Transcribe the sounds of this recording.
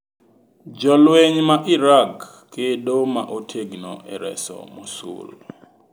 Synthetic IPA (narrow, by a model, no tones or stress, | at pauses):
d͡ʒɔlweɲmaʔiɾakː | edomaʔotʰeɡnɔ̰ʔɛ̰ɾɛ̰sɔ̰musṵl